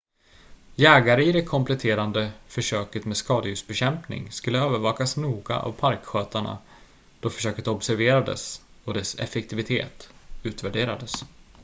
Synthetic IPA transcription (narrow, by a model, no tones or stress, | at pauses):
jɛːɡaɾəɪd̪ɛkʰɔmplɛt̪ʰeːɾand̪əfœʂøːkət̪meːd̪skɑːd̪əjʉsbɛɕɛmpnɪ̰ŋskɵlːəøːvəɾvɑːkasnuːɡa̰ʔa̰vpʰaɾkɧøːt̪aɳa̰ | d̪̥ɔfœ̥ʂøːkət̪ɔbsæɾveːɾad̪ə̰s | ɔd̪ɛsɛ̰fɛkt̪ʰɪvɪt̪ʰḛːt̪ʉ̟ːt̪væɖeːɾad̪əs